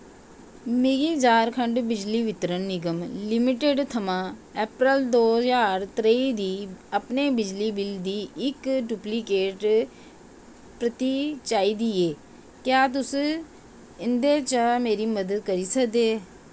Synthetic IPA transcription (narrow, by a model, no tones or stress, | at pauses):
meɡiːd͡ʒaːɾkʰəɳɖbɪd͡ʒliːʋɪt̪ɾənnːɪɡəmlɪmɪʈeɖt̪ʰəmãːɛːpɾəld̪oːd͡ʒaːɾt̪ɾeiːd̪iːəpneːbɪd͡ʒliːbɪld̪iːɪkʈʊpliːkeːʈ | pɾət̪it͡ʃaːiːd̪iːeː | kjaːt̪̬ʊsu | ɪnd̪eːt͡ʃəmeːɾiːməd̪əd̪̚kəɾiːsəkd̪eː